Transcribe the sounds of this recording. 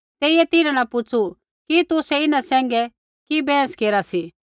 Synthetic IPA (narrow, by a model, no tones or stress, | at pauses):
t̪eːijɛt̪ɪnãnãpʊt͡sʰu | kit̪ʊsɛɪnãsɛ̃ːŋɡɛ | kibɛ̃ːskeːɾasi